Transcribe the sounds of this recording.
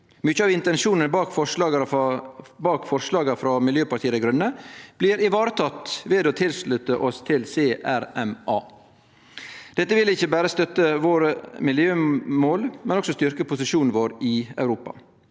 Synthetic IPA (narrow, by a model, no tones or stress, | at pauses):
mʏçəɑːʋɪnt̪ɛnʃuːnənbɑːkfɔʂɑːɡ | bɑːkfɔɾʂlɑːɡəfɾɑmɪljøːpɑɾʈtʰiːəd̪ɛɡɾʉnːəb̥liːɾɪʋɑːɾət̪ʰɑt̪ʋeːd̪oːt̪ʰɪlslʉt̪əʔɔst̪ʰɪlseːʔæɾɛmʔɑː | d̪̥ɛt̪ːəʋɪlɪçːəbæːɾəst̪œt̪ːəʋoːɾəmɪljøːmoːlmɛnɔksɔst̪ʏɾkəpʰʊsɪʃuːnn̩ʋoːɾɪɑ̰ʉɾuːpɑ̰